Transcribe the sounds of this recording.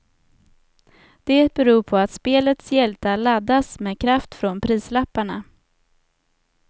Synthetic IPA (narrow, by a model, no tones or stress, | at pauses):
d̪̥ɛbɛɾuːɾpʰɔat̪speːlət̪sjɛlt̪alad̪ːasmeːkʰɾaft̪fɾɔnpʰɾiːslapːaɳa